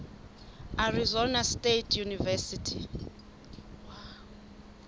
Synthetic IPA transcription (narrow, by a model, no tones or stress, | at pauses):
arizɔnastʼetʰjunivɛsitʰi